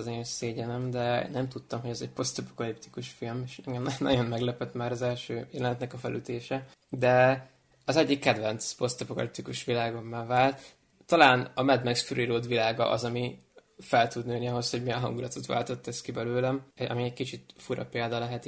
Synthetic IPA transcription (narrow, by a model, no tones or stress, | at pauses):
zeːseːɟɛnɛmd̪ɛ̰nɛmt̪ut̪ːɒmɦoɛzɛɟ̚po̞st̪ɒpo̥kɒlipt̪i̥kuʃfilmeʃɛŋɡɛmnɒ̰ɟo̞nmɛɡlɛpɛt̪maːɾɒzɛlʃøːjɛlɛnɛt̪nɛkɒfɛ̰lʔyt̪eːʃɛ | d̪ɛ | ɒzɛɟːikːɛd̪vɛnt̪spo̞st̪ɛpokɒ̰lip̚t̪ikuʃʋilaːɡo̞mːaːvaːlt̪ː | ɒlaːnɒmɛd̪mɛksføɾiːɾoːd̪ʋilaːɡɒ̰ʔɒ̰zɒmi | fɛlt̪ud̪nøːniɒɦo̞sho̞ɟmijɛnɦɒ̰ŋɡulɒt̪ot̪ʋa̰ːlt̪o̞t̪ːɛskibɛløːlɛmɒ̰miɛɟkit͡ʃit̪fuɾɒ̰peːld̪ɒlɛɦɛt̪